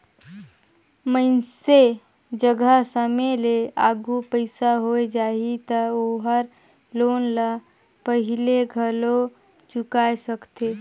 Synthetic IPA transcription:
mənse | d͡ʒəɡəsəmeleaːɡupəɪsaɦoed͡ʒaːit̪əoɦəɾ | loːnla | pəɦɪleɡʱəlo | t͡ʃʊkaːesəkt̪eː

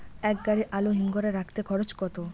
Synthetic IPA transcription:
ɛk̚ɡaɾiʔaloɦiŋɡɔɾaɾakt̪ekʰɔɾot͡ɕkɔt̪o

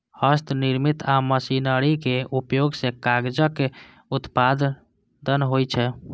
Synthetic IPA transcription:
həst̪ʰniɾmit̪aməsinəɾikeupjoɡsẽkaɡd͡ʒəke | ut̪pad̪ | d̪ənɦojt͡ʃʰɛ

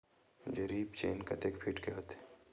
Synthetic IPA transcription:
d͡ʒeɾiːpt͡ʃeːnkɐt̪ekpʰiʈkeɦot̪e̥

